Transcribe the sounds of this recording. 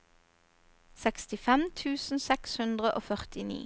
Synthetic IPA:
sɛkst̪ɪfɛmt̪ʰʉːsn̩sɛkshʉnd̪ʁəʔoːfœʁt̪ɪnḭː

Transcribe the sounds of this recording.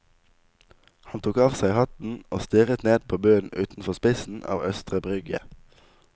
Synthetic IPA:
hɑnt̪ʰuːkɑːʋsæɪhɑt̪n̩o̰ːst̪ɪʁət̪neːd̪̚pʰoːbøːənʔʉːt̪n̩fɔʁspɪsn̩ɑ̰ːʋœst̪ʁəbʁʏɡə̰

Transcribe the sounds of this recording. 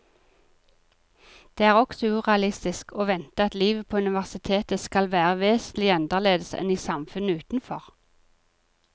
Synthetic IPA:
d̪̥eːæːʁɔksɔʉːʁɛɑlɪst̪ɪskʰoːʋɛnt̪əɑt̪liːʋəpʰoːʉnɪʋæʁsɪt̪ʰeːt̪əskɑlʋæːʁəʋeːsnlɪɑnd̪əleːd̪əsɛ̰niːsɑmfʉnəʉːt̪n̩fɔʁ

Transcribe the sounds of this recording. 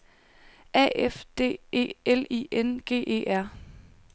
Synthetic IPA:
ʔɛ̰ːefd̥e̝̰ːe̝̰ːelḭːʔenɡ̥e̝̰ːʔe̝̰ːæɐ̰

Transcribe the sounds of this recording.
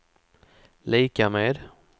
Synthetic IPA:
liːkameːd̪

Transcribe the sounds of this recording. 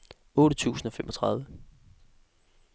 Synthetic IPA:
ɔ̽ːɾət͡sʰṵːsn̩ɒ̽femʔɒ̽t͡sʰʁɑ̈ð̞ˠʋə

